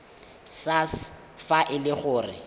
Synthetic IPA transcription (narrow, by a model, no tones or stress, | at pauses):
sas | faʔɪlɪχʊːrɪ̰